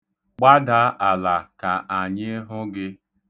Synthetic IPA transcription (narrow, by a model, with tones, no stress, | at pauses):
k͡pa˦da˨˦ʔa˨la˨ka˨ʔa˨ɲɪ˦ɦʊ˦ɡɪ˦